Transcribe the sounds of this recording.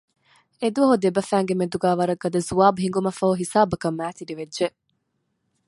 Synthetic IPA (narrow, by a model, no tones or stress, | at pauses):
ed̪uɐɦud̪ebɐfæːŋɡemed̪uɡæːʋɐɾɐɡːɐd̪ɐzuaːbuɦiŋɡumɐfɐɦuɦisaːbɐkɐmːæːt̪iɖiʋedʒe